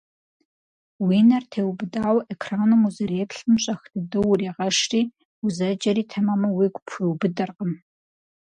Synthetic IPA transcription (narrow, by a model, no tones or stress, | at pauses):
wiːnɐrtʰeːwbɨdaːwʔekʰraːnumuzɐɾeːpɬɨmɕʼɐxtʰɨdɨwriːʁɐʃriː | uzɐd͡ʒɐɾiːtʰɐmamɐwiːɡʷpʷʰiwbɨdɐrqəm